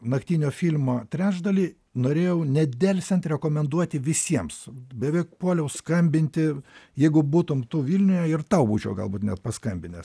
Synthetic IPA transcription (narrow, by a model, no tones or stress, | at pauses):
nɐkt̪ʲiːnʲoːfʲiːlʲmoːt̪ʲɾʲæːʒd̪ɐlʲiː | noːɾʲeːjɛʊnʲɛd̪ʲɛlʲsʲɛnt̪ɾʲɛkoːmʲɛnd̪uɔt̪ʲɪʋʲɪsʲiɛmsbʲɛʋʲɛɪk̚puɔlʲɛʊskɐmʲbʲɪnʲt̪ʲɪjɛɪɡʊbuːt̪ʊmt̪uːʋʲiːlʲnʲʊjɛɪrt̪ɐʊbṵːt͡ʃʲɛʊɡɐ̰lˠbuːt̪nʲɛt̪pɐskɐmʲbʲɪnʲeːs